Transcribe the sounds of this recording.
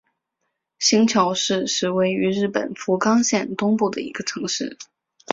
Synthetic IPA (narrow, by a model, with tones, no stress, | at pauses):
ɕi˧˥ŋt͡ɕʰjɑ˧˥ʊʂɻ̩˥˧ʂɻ̩˥˧we˥˩ɪy˧˥ɻɻ̩˥˩pə̰˨˩nfu˧˥kɑ˥ŋɕjɛ˥˩nt̪ʊ˥ŋpu˥˩d̪ə˩ḭ˧˥ɡə˧ʈ͡ʂʰɤ˧˥ŋʂɻ̩˥˩